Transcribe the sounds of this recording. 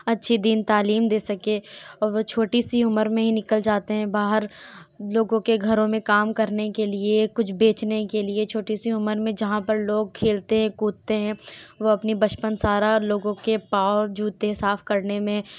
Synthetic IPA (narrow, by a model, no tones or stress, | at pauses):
ɐtːʃʰid̪int̪aːliːmd̪eːsɐkeɔɾʋot͡ʃʰoːʈisiʊməɾmẽɦinɪkəld͡ʒaːt̪eɦɛ̃baːɦəɾloːɡõkeɡʱɐɾõmẽkaːmkɐɾnekeliekʊt͡ʃʰbeːt͡ʃnekeliet͡ʃʰoːʈisiʊməɾmẽd͡ʒɐɦãpɐɾloːɡ̚kʰeːlt̪eɦɛ̃kuːt̪t̪eɦɛ̃ʋoɐpnibɐt͡ʃpənsaːɾaɔɾloːɡõkepaːod͡ʒuːt̪ẽsaːfkɐɾnemẽ